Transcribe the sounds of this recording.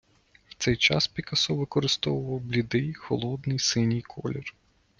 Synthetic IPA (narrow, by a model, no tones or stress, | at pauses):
wt̪sɛjt͡ʃɑ̰spʲikɐsɔʋɪkɔɾɪst̪ɔʋʊʋɐwblʲid̪ɪjxɔlˠɔd̪nɪjsɪnʲijkʰɔlʲɔr